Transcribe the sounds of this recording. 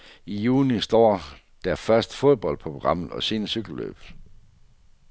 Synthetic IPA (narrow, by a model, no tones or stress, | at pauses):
ijuːnisd̥ɒ̰ː | d̥æɐfɶɐsd̥ə̥fo̝ðˠb̥ɒ̽l̰̚pʰʁo̝ɡ̥ʁɑ̈m̰ð̩ˠɒ̽se̝̰ːnəsyɡ̥l̩lø̰b̥